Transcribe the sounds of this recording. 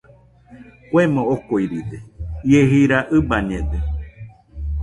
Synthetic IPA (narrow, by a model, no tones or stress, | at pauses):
kʷemõokoiɾid̪ejeɦiɾaʔɨbaɲẽd̪e